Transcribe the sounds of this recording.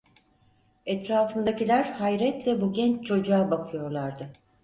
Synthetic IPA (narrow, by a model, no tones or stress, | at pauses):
ɛt̪ɾaːfɯnd̪acilʲæɾ̥hajɾɛt̪lʲɛbuɟɛnt͡ʃt͡ʃʰo̞d͡ʒuaːbakʰɯjo̞ɾlˠaɾd̪ɯ